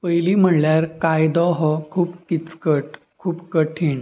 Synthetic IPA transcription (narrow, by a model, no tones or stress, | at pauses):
pəjlim̤əɳljaɾkajd̪ɔɦɔkʰuːbkit͡skəʈ̚ | kʰuːbkəʈʰiɳ